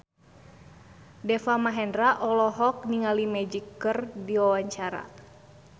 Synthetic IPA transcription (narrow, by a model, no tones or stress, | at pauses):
dɛfamaɦɛndɾaʔɔlɔɦɔk̚niŋalimɛd͡ʒikːərdiwawaɲt͡ʃaɾa̰